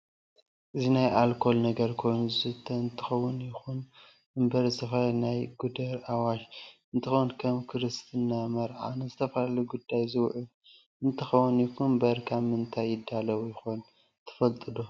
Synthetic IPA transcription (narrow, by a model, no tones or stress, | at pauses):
ʔɨzinajʔalkʰo̞lnɐɡɐɾkʰo̞jnzɨt̪ʰːɐɨnt̪ʰɨ̥xɐwːʊnjɪxun | ɨmbɐɾsɐfajnajɡud̪ɐɾʔawaʃɨnt̪ʰɨxowunkʰɐmkʰɨɾɨst̪ʰɨnːamɐɾʕa̰nɨzɨt̪ʰɐfɐlaluɡud̪ːajzɨwʕu | ɨnt̪ʰɨxɐwːʊnjɪkumbɐɾkʰammɨnt̪ʰajːɪd̪ːalɐwjɪxon | t̪ʰɨ̥fɐlt̪ʼɨd̪o